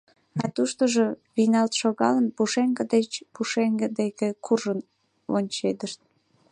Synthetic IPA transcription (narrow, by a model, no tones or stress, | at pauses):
ɑt̪uʃt̪oʒoβinɑlt̪ʃoɣɑlənpuʃeŋɡəd̪et͡ɕpuʃeŋɡəd̪ekekʰurʒən | onʲt͡ɕed̪əʃt̪̚